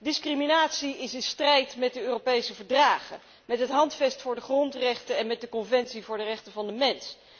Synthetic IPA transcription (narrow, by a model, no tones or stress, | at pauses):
dɪskriminaːtsiɪsɪnstrɛjtmɛt̚dəøːropejsəvəɹdraːχə̰ | mɛtɦətɦɑntfɛstfʊːɹdəχrɔntrɛχtənɛnmɛt̚dəkɔnvɛntsivʊːɹdərɛχtənvɑndəmɛns